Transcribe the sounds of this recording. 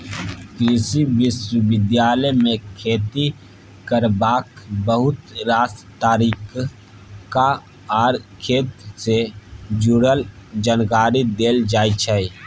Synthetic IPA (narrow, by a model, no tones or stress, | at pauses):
kɾɪsiʋɪswəʋɪd̪jaːləmẽkʰeːt̪i | kəɾbaːkbəɦʊt̪ɾaːs | t̪aːɾiːk | ka | aːɾkʰeːt̪sed͡ʒuɽəld͡ʒaːnkaːɾid̪eːld͡ʒaːit͡ʃʰɛ